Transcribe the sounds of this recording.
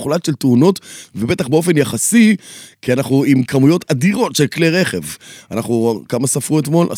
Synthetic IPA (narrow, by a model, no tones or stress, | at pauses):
χlatʃe̞lt̪uno̞tvebe̞t̪aχbeo̞fe̞njaχasikianaχnuimkʰamujo̞tad̪iʁo̞tʃe̞lkleʁe̞χe̞va̰naχukamasafʁuet̪mo̞lʔa̰